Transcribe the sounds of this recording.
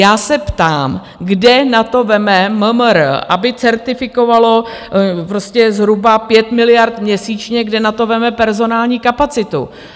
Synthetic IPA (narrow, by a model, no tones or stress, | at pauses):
jaːsɛpt̪aːm | ɡdɛnat̪o̞vɛmɛməmɾəʔa̰bɪt͡sɛɾt̪ɪfɪko̞valo̞pɾoscɛzɦɾubapjɛt̪mɪlɪjaɾt̪mɲɛsiːt͡ʃɲɛɡdɛnat̪o̞vɛmɛpɛɾzo̞naːlɲiːkapat͡sɪt̪ṵ